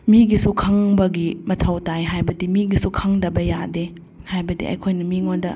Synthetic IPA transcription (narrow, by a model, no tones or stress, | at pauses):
miɡisukʰaŋbɐɡimɐtʰɐwtajɦajbɐdimiɡisukʰaŋdɐbɐjade | hajbɐdḭɐ̰jkʰojnɐmiŋondɐ̰